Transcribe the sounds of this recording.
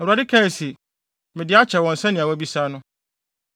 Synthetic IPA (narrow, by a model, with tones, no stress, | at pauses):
ɛ˨u˨a˨dɪ˦kʰɛ̃˦˨se˨ | mɪ̃˨dɪ˦a˦t͡ɕʰɛ˨wɔ̃˨n̩˨sɛ̃˦nɪ̃˨a˨wbi˦sa˦nʊ̃˦